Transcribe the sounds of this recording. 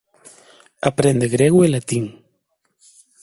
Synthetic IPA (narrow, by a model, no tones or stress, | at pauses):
apɾend̪eɣɾeɣwelat̪iŋ